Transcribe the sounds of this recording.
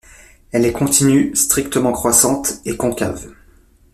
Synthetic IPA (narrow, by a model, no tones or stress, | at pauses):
ɛlɛkɔ̃t̪ʰinyst̪χik̚t̪əmɑ̃kχwasɑ̃t̪ekɔ̃kʲa̰v